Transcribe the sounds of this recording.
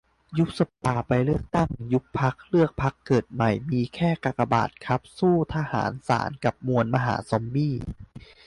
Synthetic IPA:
ju˦˥k̚sa˨˧˩pːaː˧˩pa˧jlɯ˥˩ək̚t̪a˥˩ŋju˦˥k̚pʰa˦˥k̚lɯ˥˩ək̚pʰa˦˥kːɤː˨˩t̪̚ma˨˩jmiː˧kʰɛː˥˩ka˧˩ka˧ba̰ː˨˩t̪̚kʰa˦˥p̚suː˥˩t̪ʰa˧ha̰ː˩˦nsa̰ː˩˦nka˨˩p̚mu˧ənma˧ɦa̰ː˩˦sɔ˨˦mbiː˥˩

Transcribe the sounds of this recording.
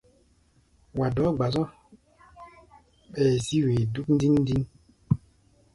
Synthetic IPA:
wa˨dɔ˨˦ɡ͡ba˨zɔ̃˦ | ɓɛː˨zi˦we˨du˦kn̩˦di˦nː˦di˦n

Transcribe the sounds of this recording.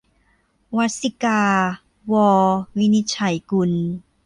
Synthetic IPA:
wa˧˥si˧kaː˧ | wɔː˧wi˧ni˧t̪̚t͡ɕʰa˨˩jku˧˨n

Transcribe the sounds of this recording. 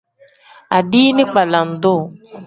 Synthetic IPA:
a˨diː˦nɪ̃˦k͡pa˨la˨n̩˨do˦˨

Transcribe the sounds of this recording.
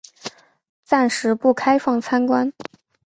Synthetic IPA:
t͡sa˥˩nʂɻ̩˧˥pu˥˩kʰa˥ɪfɑ˥˩ŋt͡sʰa˥nkwa˥n

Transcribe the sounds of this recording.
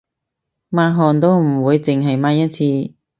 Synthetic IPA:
maː˧˥ɦɔː˨nt̪̬o˥wm̩˨˩wuː˨˧jt͡sɪ˨ŋɦɐ˨jmaː˧˥jɐ˥t̚t͡sʰiː˧

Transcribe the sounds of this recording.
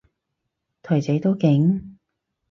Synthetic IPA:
t̪ʰɔː˨˩t͡se˨˧˥t̪o˥wkɪ˨˧˥ŋ

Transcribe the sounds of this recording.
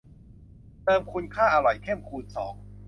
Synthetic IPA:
t̪ɤː˧mkʰu˧nkʰaː˥˩ʔa˧ɾɔ˨˩jkʰe˥˩mkʰuː˧t̪̚sɔ̰ː˩˦ŋ

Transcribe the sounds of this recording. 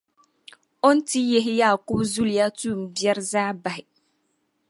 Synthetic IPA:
ʊ˦n̩˦ti˦je˦ɦɪ˦jaː˦˨kʊ˦bzu˦li˨a˦tuː˦˨m̩˨bjɛ˦ɾzaː˦ba˨ɦɪ˨

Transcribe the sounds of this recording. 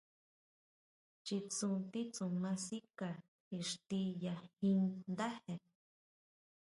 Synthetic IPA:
t͡ʃi˧t͡sũ˧t̪i˦t͡sũ˨mã˧si˦ka˨ | i˧˨ʂt̪i˧ja˨hĩ˧nd̪a˦he˨

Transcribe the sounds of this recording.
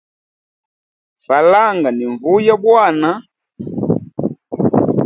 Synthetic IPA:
fa˨la˦ŋɡa˨ni˨ɱvu˦ja˦bwa˦˨na˦

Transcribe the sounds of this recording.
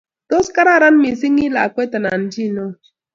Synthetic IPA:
to˦ska˦ɾa˦˨ɾa˦n˦mi˨s̬i˦ŋi˦la˨kwe˦ta˨na˨n̩˦d͡ʒi˦˨no˦

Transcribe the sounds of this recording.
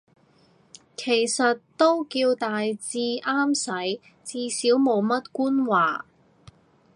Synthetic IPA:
kʰe˨˩jsɐ˨tt̪o˥wkiː˧wt̪aː˨jt͡siː˧ʔaː˥msɐ˨˥j | t͡siː˧siː˨˥wmo˨˧wmɐ˥t̚kuː˥nwaː˨˩

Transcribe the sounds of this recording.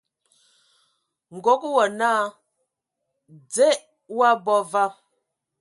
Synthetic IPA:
ŋ̩˨ɡo˨˦k̚wɔ˨naː˦ | d͡zɛ˦ʔ | wa˦bɔ˦va˦

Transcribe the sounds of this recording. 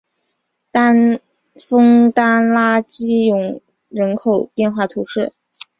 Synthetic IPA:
t̪a˥n | fɤ˥ŋt̪a˥nla˥t͡ɕi˥jʊ˨˧˩ŋ | ɻə˧˥nkʰo˨˩ʊpjɛ˥˧nxwa˥˩t̪ʰu˧˥ʂɻ̩˥˩

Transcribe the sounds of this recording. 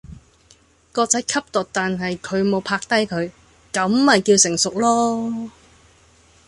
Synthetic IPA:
kɔː˧k̚t͡sɐ˨˥jkʰɐ˥p̚t̪ʊ˨k̚t̪aː˨nɦɐ˨jkʰɵ˨˧ɥmo˨˧wpʰaː˧k̚t̪ɐ˥jkʰɵ˨˧ɥ | kɐ˨˥mːɐ˨jkiː˧wsɪ˨˩ŋsʊ˨k̚lɔː˥

